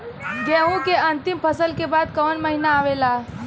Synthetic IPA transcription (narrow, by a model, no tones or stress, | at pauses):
ɡɛ̃ũkeənt̪impʰəsəlkebad̪kəʋənməɦinaːʋela